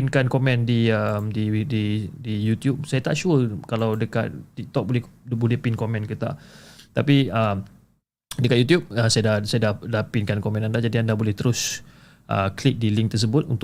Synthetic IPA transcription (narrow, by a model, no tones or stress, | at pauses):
ɪnkankomɛ̃ndiəmdididijut̪jup̚sajat̪aʔʃuəkalawdəka̰t̪̚t̪ik̚t̪ɔk̚bolɛbolɛhpɪnkomɛ̃nkət̪a̰t̪apiəm | dəkat̪̚jut̪̬jup̚əsajadasajadahdapɪnkankomɛ̃nandad͡ʒadiandahbolɛht̪əɾʊs | ʔə̰klik̚dilɪŋk̚t̪ərs̬əbʊt̪̚ṵnt̪